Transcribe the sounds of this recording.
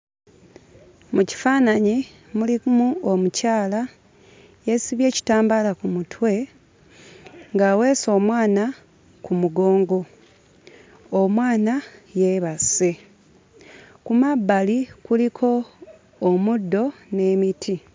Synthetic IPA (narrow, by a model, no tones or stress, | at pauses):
muci̥faːnaɲi | mulimuomucaːla | jesiβje̞ːci̥taːmbalakumutʰwe̞ | ŋɡaːwe̞ːso̞ːmwaːna | kumuɡo̞ːŋɡo̞ | mwaːnajeβase | kumabːalikulikʰo̞ː | mudːo̞ne̞ːmitʰi